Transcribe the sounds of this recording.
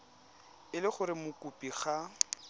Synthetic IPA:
ɪlɪχʊɾɪmʊkʼupʼiχa

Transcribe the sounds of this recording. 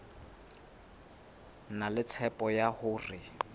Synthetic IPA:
nalɪt͡sʰɛpʼɔjahʊːrɪ

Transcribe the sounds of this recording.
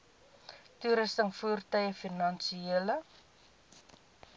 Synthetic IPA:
tuɾəstənfuːrtœjəfinɐnsielə

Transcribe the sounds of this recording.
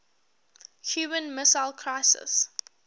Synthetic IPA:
hjuːmə̃nmɪsaɪlˠkʰɹaɪsɪ̰s

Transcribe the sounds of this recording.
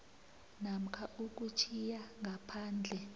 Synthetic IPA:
nam̩kʰaʔuk̬ut͡ʃʰijaŋɡʱapʰaːnd͡ɮʱɛ

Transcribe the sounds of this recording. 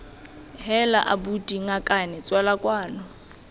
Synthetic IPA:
hɛla̰ʔabutʼiŋakʼanɛt͡sʼwalakʼwaːnɔ

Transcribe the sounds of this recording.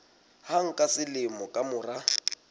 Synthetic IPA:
haŋ̩kʼasɪlɪmɔkʼamʊra

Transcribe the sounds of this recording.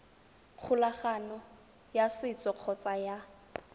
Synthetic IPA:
q͡χʰʊlaχanɔ | jasɪt͡sʼɔq͡χʰɔt͡sʼaja

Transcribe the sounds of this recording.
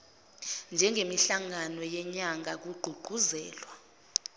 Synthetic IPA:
nd͡ʒʱɛŋemiɬaŋanɔjɛɲaŋʱak̬uɡ͡ǃʱuɡ͡ǃʱuzɛːlwa

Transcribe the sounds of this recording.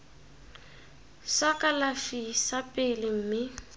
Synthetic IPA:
sakʼalafisapʼɪlɪm̩ːmɪ

